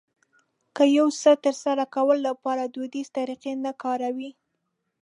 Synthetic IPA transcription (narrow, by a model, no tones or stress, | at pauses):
kəjawsət̪əɾsaɾakawəlːapɑɾad̪od̪iz̥t̪aɾiqenakɑɾawi